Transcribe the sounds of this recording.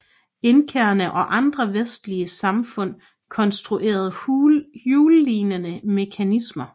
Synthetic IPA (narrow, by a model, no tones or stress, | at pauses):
e̝nkʰeːɐnəʔɒ̽ʔɑ̈nd̥ʁɐʋesd̥liəsɑ̈mfɔ̽n̰ | kʰɒ̽nsd̥ʁuʔe̝̰ːɐð̞̩ˠjuːlːiːnənəme̝kʰænismɐ